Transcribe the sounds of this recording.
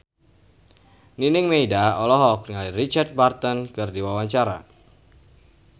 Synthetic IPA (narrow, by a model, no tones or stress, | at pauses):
ninɪŋmeidaɔlɔɦɔk̚niŋaliɾit͡ʃart̪̚bart̪ənkɨrdiwawaɲt͡ʃaɾa̰